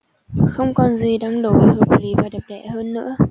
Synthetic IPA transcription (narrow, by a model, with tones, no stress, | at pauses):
xə˧wŋ͡mkɔ˨˩nzi˨˩ɗaː˧ŋɗo˨˩va˨˧˩əː˨˩p̚li˨˦vaː˨˩ɗə˨˩p̚ɗɛ̰˧˩˨həː˧nːɨ̰˧˥ə